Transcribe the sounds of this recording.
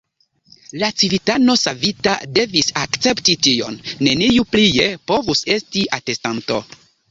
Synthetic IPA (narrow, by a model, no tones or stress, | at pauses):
lat͡sivitano̞savita̰de̞visakt͡se̞ptitio̞̰nːe̞nijuplijepo̞vuse̞stiʔate̞stanto̞̰